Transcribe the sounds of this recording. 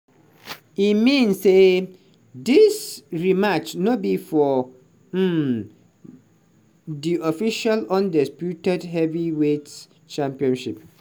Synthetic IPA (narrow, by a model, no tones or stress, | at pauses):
imĩnsse | disɹimat͡ʃnõbifɔ | m̩ | diɔfiʃalɔ̃ndɛspjutɛdɦɛviwet | t͡ʃãmpiɔ̃nʃip̚